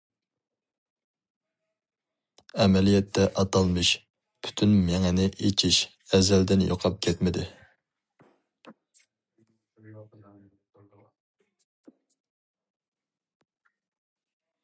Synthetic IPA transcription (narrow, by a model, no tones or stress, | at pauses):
ɛmɛlijɛt̪ʰːɛʔɑt̪ʰɑlˠmɨʃ | pʰy̥t̪ʰynmeŋɛnɪʔet͡ʃʰiʃ | ɛzɛld̪ɪnjo̰qʰɑp̚kʲʰɛt̪mɪd̪ɪ